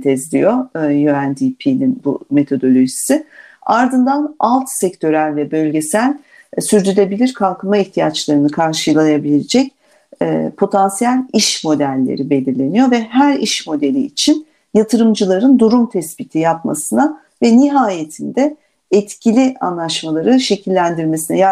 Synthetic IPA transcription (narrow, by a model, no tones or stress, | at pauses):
t̪ʰɛzd̪ʲḭjojøænd̪ipʰininbṵme̞t̪ʰo̞d̪o̞lʲo̞ʒisiaɾd̪ɯnd̪analˠt̪sɛct̪ʰø̞ɾælʲvɛbø̞lʲɟe̞sælʲ | syɾd̪ylʲe̞bilʲiɾkʰalˠkʰɯmaiçt̪ʰijat͡ʃlˠaɾɯnɯkʰaɾʃɯjlˠajabilʲied͡ʒɛcː | pʰo̞t̪ʰansijælʲiʃmo̞d̪ælʲːḛɾibe̞lʲiɾlʲe̞nijoɾvɛɦæɾiʃmo̞d̪e̞lʲiːt͡ʃʰin | jat̪ʰɯɾɯmd͡ʒɯlˠaɾɯnd̪uɾumt̪ʰɛspit̪ʰijapma̰sɯna | vɛniɦaːje̞t̪ʰind̪ɛ | ɛt̪cʰilʲia̰nlˠaʃmalˠaɾɯʃe̞cʰilʲːænd̪iɾme̞sinɛja